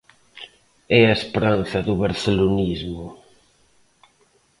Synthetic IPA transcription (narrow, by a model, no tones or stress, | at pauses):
ɛaespɾan̟θɐðuβaɾθelunizmʊ